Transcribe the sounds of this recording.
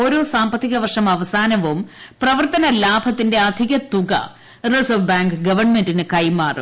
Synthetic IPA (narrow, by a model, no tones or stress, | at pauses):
oːɾo̞ːsaːmbɐt̪ːiɣɐʋɐrʂɐmɐʋɐsaːnɐʋumprɐʋɐrt̪ɐnɐlaːbʱɐt̪ːinde̞ɐd̪ʱiɣɐt̪uɣɐ̰ | resɐʋbaːŋɡɨɡɐʋɐrɳmendinɨkɐjmaːrɨ̰